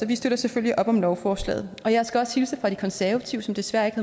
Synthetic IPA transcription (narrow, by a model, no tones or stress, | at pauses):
sɒ̽ʋisd̥ød̥ɐseføl̰jiʔɒ̽b̥ɒ̽mlɒʊfɒːslɛ̰ːð̞̩ˠɒ̽jɑ̈ɪsɡ̥æɒ̽shilsəfʁɑ̈d̥ɾ̥i̥kʰɒ̽nsæɐʋæt͡sʰiʊsɒ̽md̥e̝sʋæɐ̰e̝ɡ̥hæ